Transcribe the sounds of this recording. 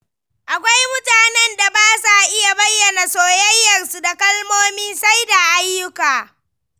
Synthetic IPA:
ʔa˨kʷa˦jmʊ˦taː˨nɛ˦nda˨baː˦sa˨ʔɪ˦ja˨bɐ˦jːɐ˨na˨soː˨jɐ˦jːɐ˨rsu˨da˨kɐ˦lmoː˦miː˦sa˦jda˨ʔa˦jːʊ˦kaː˨

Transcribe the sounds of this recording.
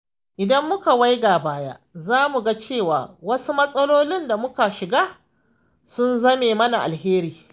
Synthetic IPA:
ʔɪ˨dɐ˦mːʊ˦ka˨wa˦jɡa˨baː˦ja̰˦zaː˦mu˨ɡa˦t͡ʃeː˦˨waː˨wɐ˦su˦mɐ˦sʼɐ˦loː˦lɪ˦nda˨mʊ˦ka˨ʃɪ˨ɡaː˦ | sʊ˦nzɐ˦meː˨mɐ˦na˨ʔa̰˨lɦeː˦ɾiː˨

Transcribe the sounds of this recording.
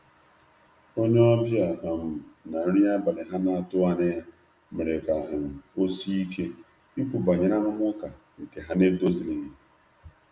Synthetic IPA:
o˦ɲe˦ɔ˦bja˨a˨m̩˨na˨n̩˦ɾi˦a˦ba˨lɪ˨ɦa˦na˦a˦tʊ˦a˦ne˦ja˦ | me˨ɾe˨ka˨ɦɪ˨m̩˨o˦si˦i˦ke˦ | i˦kʷu˨ba˨ɲe˨na˦nʊ˦m˦ɔ˦ka˨ | ŋ̩˨ke˨ɦa˦ne˦do˦zi˨le˨ɲi˦

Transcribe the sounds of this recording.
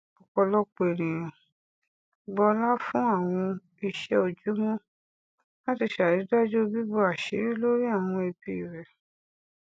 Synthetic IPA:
ɔ˨kɔ˨˧lɔ˦k͡pe˨ɾ̃ĩ˨jã˨ | ɡ͡bɔ˧la˦fũ˦a˦˨w̃ɔ̃˧ | i˧ʃɛ˧o˨d͡ʒu˨˦mɔ̃˦ | na˦ti˧ʃa˨ɾi˨˦da˦d͡ʒu˦o˧bi˦bɔ˧a˨ʃi˨˦ɾi˦lo˦ɾi˦a˦˨w̃ɔ̃˧e˧bi˧˦˨ɾɛ˨

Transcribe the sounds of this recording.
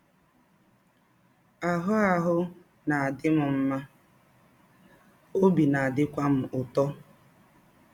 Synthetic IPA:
a˨ɦʊ˦a˨ɦʊ˦ | na˨a˨dɪ˦mʊ˨m̩˦ma˦ | o˦bi˨na˨a˨dɪ˦kʷa˦m̩˦ʊ˨tɔ˦

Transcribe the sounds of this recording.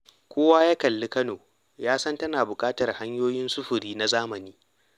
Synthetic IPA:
kʷoː˦waː˦ja˦kɐ˨lːɪ˦kɐ˦noː˨ | jaː˦sɐ˦ntɐ˦naː˨bʊ˨kʼaː˦tɐ˨rha˦ɲjoː˦jɪ˦nsʊ˦ɸʊ˨ɾiː˦na˦zaː˦mɐ˨niː˦

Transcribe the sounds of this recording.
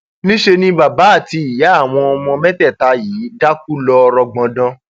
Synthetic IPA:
nĩ˦ʃe˧nĩ˧ba˨ba˨˦a˦˨ti˧i˨ja˨˦a˦˨w̃ɔ̃˧ɔ˧mɔ̃˧mɛ̃˦tɛ˦˨ta˨˧jiː˨˦da˦k̚u˦lɔ˧ɾɔ˧ɡ͡bɔ̃˨˧dɔ̃˧

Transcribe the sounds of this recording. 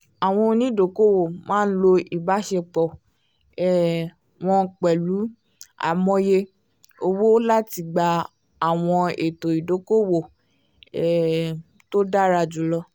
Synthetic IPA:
a˨w̃ɔ̃˧o˧nĩ˦˨do˨˦ko˦wo˨mãː˦n̩˦lo˧i˨ba˨˦ʃɛ˧k͡pɔ˨ | ɛ˨ | w̃ɔ̃˧k͡pɛ˨lu˨˦ | a̰˨mɔ̃˧˦je˧ | o˧wo˦la˦ti˧ɡ͡ba˧ | a˨w̃ɔ̃˧e˨to˨i˨do˨˦ko˦wo˨ | ɛ˨ | to˦da˦˨ɾa˧d͡ʒu˨˦lɔ˧

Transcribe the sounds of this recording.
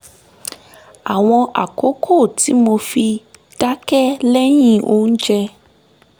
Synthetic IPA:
a˨w̃ɔ̃˧ʔa̰˨ko˨˦kʰo˦˨ti˨˦mo˧fi˧ | d̥a˦kɛ˦lɛ˦j̃ĩ˦ʔo˦n̩˦d͡ʒɛ˧

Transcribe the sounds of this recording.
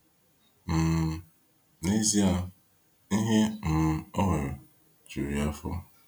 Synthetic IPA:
m̩˨ | ne˦zi˦a˦ | i˦ɦe˦m̩˨ɔ˦ɦe˨ɾ | t͡ʃu˨ɾi˨a˦fʊ̰˦

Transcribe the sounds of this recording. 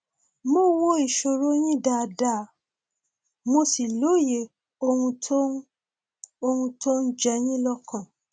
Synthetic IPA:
mo˦wo˦i˨ʃo˧ɾo˦j̃ĩ˦da˨da˦˨˦ | mo˧si˨lo˨˦˨je˨ | o˧hũ˧to˦ | o˧hũ˧tʰo˦n̩˦d͡ʒɛ˧j̃ĩ˦lɔ˦kã˨

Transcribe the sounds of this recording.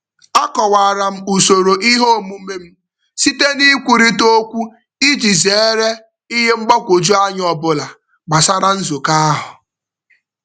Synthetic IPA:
a˦kɔ˨wa˨ɾa˨m̩˦u˨so˨ɾo˨ʔi˦ɦo˦˨mu˦me˦m̩˦ | si˦te˦ni˦kʷu˨ɾi˦to˦kʷu˦ | i˦d͡ʒi˨ze˨e˦ɾe˦ | i˦ɦe˦ŋ͡m̩˦ɡ͡bɔ˦kʷo˨d͡ʒu˦a˦ɲ˦ɔ˨bʊ˨la˨ | ɡ͡ba˨sa˦ɾa˦n̩˦zo˨ka˦ɦʊ˨

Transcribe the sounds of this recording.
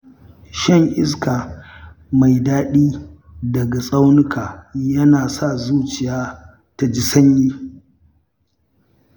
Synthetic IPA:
ʃɛ˦˨ŋʔɪ˦skaː˨ | ma˨jdaː˦ɗiː˦ | dɐ˨ɡa˨sʼa˦wnɪ˦kʰaː˨jɐ˦naː˨sa˦˨zuː˦t͡ʃɪ˨jaː˦ | ta˨d͡ʒɪ˨sɐ˦ɲjiː˦

